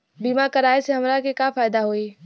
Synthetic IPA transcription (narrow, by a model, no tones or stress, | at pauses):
biːmakɐɾaːeseɦɐmɾakekafaːjd̪aɦoːiː